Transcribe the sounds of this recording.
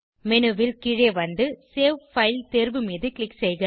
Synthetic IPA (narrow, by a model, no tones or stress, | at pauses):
mɛnɯʋɪlkɪɻeːʋɐnd̪ɯseːʋfɐɪlt̪eːɾbɯmiːðɯkɭɪksɛjɣɪ